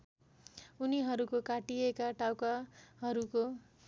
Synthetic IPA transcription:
uniɦʌɾukokaʈiekaʈawkaɦʌɾuko

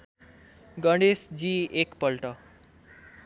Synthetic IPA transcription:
ɡʌɳɖesd͡ziekpʌlʈʌ

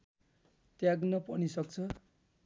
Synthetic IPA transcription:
t̪jaɡnʌpʌnisʌk̚t͡sʰʌ

